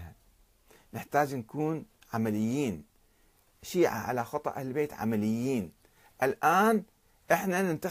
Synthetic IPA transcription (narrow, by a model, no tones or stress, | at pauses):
ha | nɪħt̪aːd͡ʒnkuːn | ʕamalɪjːiːn | ʃiːʕa̰ʕa̰laxɑt̪ˤɑ̰ʔahllbeːt̪ʕa̰malɪjːiːn | ʔɪlʔaːn | ʔɪħnanɪnt̪a